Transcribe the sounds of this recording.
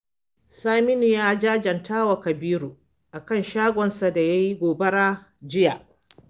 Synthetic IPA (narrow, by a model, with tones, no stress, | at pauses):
saː˦mɪ˦ni˨jaː˦d͡ʒaː˦d͡ʒɐ˨ntʰaː˦wa˨kɐ˨biː˦ɾo˨ | ʔa˨kɐ˦nʃaː˦ɡʷɔ˨nsa˨da˨ja˦ji˦ɡʷoː˨bɐ˦ɽaː˦ | d͡ʒɪ˦ja˨ʔ